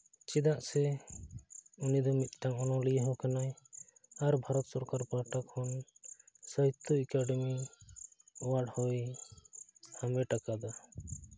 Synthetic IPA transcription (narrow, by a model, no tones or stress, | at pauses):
t͡ʃid̪aʔsɛ | unid̪ɔmit̪̚ˀʈaŋɔnɔlijəɦɔkanaj | aɾbʱaɾɔt̪sɔɾkaɾpaɾʈakʰhɔn | səɦit̪ːɔɛkaɖɛmi | ɔwaɽhɔj | samɛʈakad̪a